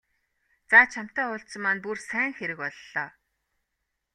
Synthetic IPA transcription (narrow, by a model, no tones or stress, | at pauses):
t͡saːt͡ɕʰam̥t̪æːʊɬsə̆mːaːnpursæːŋxeɾɘ̆kɔɮːɔː